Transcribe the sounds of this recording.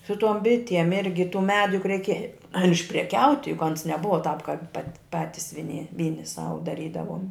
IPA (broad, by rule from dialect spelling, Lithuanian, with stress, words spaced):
sʊ ˈtuɔm ˈbʲɪtʲiɛm ˈɪrʲɡʲɪ tuː ˈmʲæːdʊ jʊk rʲɛɪˈkʲeː ɐr ɪʃʲpʲrʲɛˈkʲɛʊtʲɪ jʊk ˈɐns nʲɛˈbʊʋɐ tɑːp kɑːp pɐt ˈpɑːtʲɪs ʋʲɪˈnʲɪ ˈʋʲiːnʲɪ ˈsɐʊ dɐˈrʲiːdɐʋuɔm